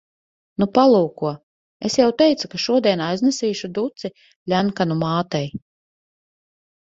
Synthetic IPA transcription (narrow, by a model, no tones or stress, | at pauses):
nupalˠuːkuɔ | esjawt̪ɛjt̪sukaʃuɔd̪ʲiɛnajznɛsiːʃud̪ut̪si | lʲænkanumaːt̪ɛj